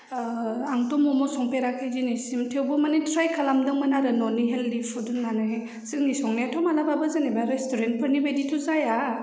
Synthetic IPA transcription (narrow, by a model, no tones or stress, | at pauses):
aŋtɔmɔmɔsɔŋpeɾakʰad͡ʒinisimtʰewbɔmanitʰɾajkʰalamdɯŋmɯnaɾɯnɔniɦelːipʰudunmana | sɯŋnisɔŋniatʰɔmalababazanebaɾestʰoɾent̚pʰɐɾnimejditʰuzaja